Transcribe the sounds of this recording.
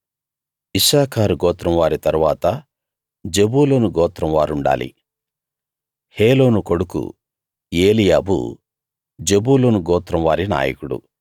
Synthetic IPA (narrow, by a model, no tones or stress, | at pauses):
isaːkʰaːɾuɡɔːt̪ɾɐmʋaːɾit̪ɐɾuʋaːt̪ɐ | d͡ʒebuːloːnuɡɔːt̪ɾɐmʋaːɾuɳɖa̰ːlḭ | heːlo̞ːnuko̞ɽukṵ | eːlijaːbṵ | d͡ʒe̞buːloːnuɡɔːt̪ɾɐmʋaːɾina̰ːjɐ̰kuɽṵ